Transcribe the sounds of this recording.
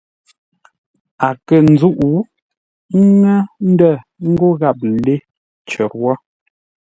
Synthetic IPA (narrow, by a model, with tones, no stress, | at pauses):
a˨kə˨n˨d͡zu˦ʔu˨˦ | ŋɛ˦n̩˦də˦˨ | ŋ̩˦ɡo˦ɣa˦˨p̚le˦ | t͡ʃə˨ɾwɔ˦